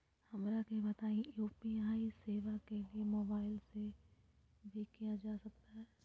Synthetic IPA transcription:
hɐmɾakebɐt̪aːĩjuːpiaːiseːʋakeliemoːbaːɪlse | bʱikijad͡ʒaːsɐk̚t̪aɦɛː

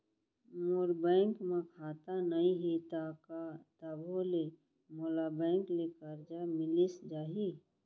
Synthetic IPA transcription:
moɾbɛ̃ːŋkmẽkʰaːt̪anəĩɦit̪akat̪əbʱole | moːlabɛ̃ːŋklekəɾd͡ʒamɪlisd͡ʒaːɦi

